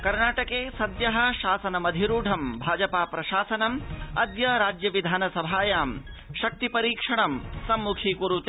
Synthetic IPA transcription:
kɐɾnaːʈɐkeːsɐd̪jɐɦɐ̆ʃaːsɐnɐmɐd̪ʱiɾuːɖʱɐmbʱaːd͡ʒɐpaːpɾɐʃaːsɐnɐmɐ̰d̪jɐɾaːd͡ʒjɐʋid̪ʱaːnɐsɐbʱaːjaːm | ʃɐk̚t̪ipɐɾiːkʂɐɳɐmsɐmːukʰikuɾut̪

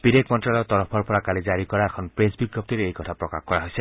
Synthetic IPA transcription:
b̥idekʰmɔntɹalɔt̪ɔɹɔpʰɔɹpʰɔɹakalizaɹikɔaɛkʰɔnpɹezbiɡɹɔp̚tiɹejkɔtʰapɹɔka̰xkɔɹaɦojsɛ

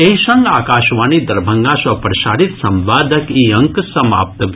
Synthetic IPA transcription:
eiʃɐ̃ŋɡa̰ːkaːʃʋaːniːd̪ɐɾbʱɐŋɡasɐpɾɐʃaːɾit̪sɐmʋaːd̪ʱɐkiːɐ̃ŋksɐma̰ːp̚t̪ɐʋ

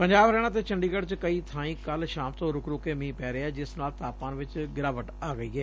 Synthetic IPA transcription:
pəɲd͡ʒaːʋɾɛːɽ̃aːt̪̬eːt͡ʃəɳɖiːɡəɽt͡ʃkəiːt̪ʰaːĩːkəlʃaːmt̪õːɾʊkɾʊːkeːmĩːpɛːɾeɛːd͡ʒɪsnaːlt̪aːpãːnʋɪt͡ʃɡɪɾaːʋəʈaːɡəiːɛː

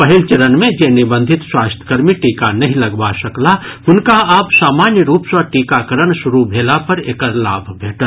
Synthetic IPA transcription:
pɐɦɪlt͡ʃɐɾənmẽd͡ʒeːnɪbə̃nd̪ʱɪt̪swaːst̪ʰkɐɾmiʈiːkanɐɦĩlɐɡbaʃɐklaɦʊnkaaːpsaːmaːnjəɾuːpswaʈiːkakəɾəɳʃʊɾubʱeːlapɐɾeːkəɾla̰ːbʱbʱeːʈəl

